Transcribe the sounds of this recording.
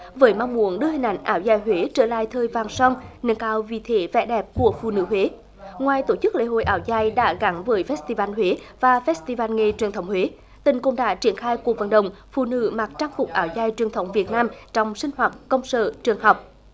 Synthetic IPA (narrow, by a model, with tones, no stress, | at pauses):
vəː˨˦jma˧wŋ͡mmu˨˩˦ənɗɨ˧əhï˨˩ŋ̟ʔa̰˧˨˦jŋ̟ʔaː˨˦wzaː˧˨jɦwe˨˦t͡ɕəː˧˩la̰ː˧˨jt̪ʰəː˨˩jvaː˨˩ŋsɔ˧wŋ͡mnɨ̰˧˥əŋkaː˨˦wvḭ˧˨t̪ʰe˨˦vɛ̰˧˥ɗɛ˨˩p̚ku˧˩əfṵ˧˨nɨ̰˧˥ɦwe˨˦ | ŋwaː˨˩jt̪o˧˩t͡ɕɨ˦˥k̚lḛ˧˥ɦo̰˧˨jʔaː˨˦wzaː˧˩jɗa̰ː˧˥ɣa˨˦nvəː˨˦jfɛ˦˥s̚t̪i˧vaː˧nhwe˨˦vaː˨˩fɛ˦˥st̪i˧vaː˧nŋe˨˩t͡ɕwi˨˩ənt̪ʰə˨˦wŋ͡mhwe˨˦ | t̪ï˨˩ŋ̟kʊ̰˧˥ŋ͡mɗa̰ː˧˥t͡ɕi˧˩ənxaː˧jku˨˩ək̚və̰˧˨nɗə̰˨wŋ͡mfṵ˧˨nɨ̰˧˥ma˨˩t͡ɕaː˧ŋfʊ˨˩k͡p̚ʔaː˨˩wzaː˧˨jt͡ɕwi˨˩ənt̪ʰə˨˦wŋ͡mvi˨˩ət̚naː˧mt͡ɕɔ˧wŋ͡msï˧ŋ̟hwaː˨˩t̚kə˧wŋ͡msə̰ː˧˨t͡ɕɨ˨˩əŋɦɔ˨˩wk͡p̚